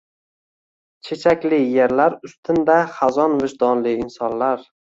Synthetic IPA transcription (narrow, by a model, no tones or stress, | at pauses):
t͡ʃʰe̞t͡ʃʰakʲlɪjeɾlaɾʊst̪ʰɪnd̪aχazɒnvɪʃd̪ɒnlɪːnsɒnlaɾ